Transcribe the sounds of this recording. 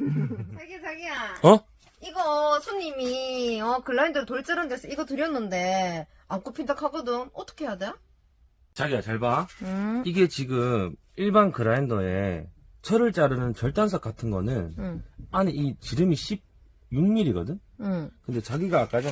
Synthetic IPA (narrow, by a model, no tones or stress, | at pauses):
t͡ɕaɡit͡ɕaɡiaʌ | iɡʌsʰoɲːimiʌkɯɾːaindʌɾɯtoɭt͡ɕ͈aɾɯndes͈ʰʌiɡʌtɯɾjʌnːɯnde̞ | ak͈opʰindakʰaɡʌdɯmʌt͈ʰʌ̥kʰe̞jadejo | t͡ɕaɡiat͡ɕaɭba | iɡe̞t͡ɕiɡɯm | iɭbankɯɾaindʌe̞ | t͡ɕʰʌɾɯɭt͡ɕ͈aɾɯnɯnt͡ɕʌɭt͈ansʰʌk͈atʰɯnɡʌ̰nɯnaneit͡ɕiɾɯmiɕʰib̚ | juŋmiɾiɡʌ̰dɯn | kɯnde̞t͡ɕaɡiɡaːk͈ad͡ʑʌ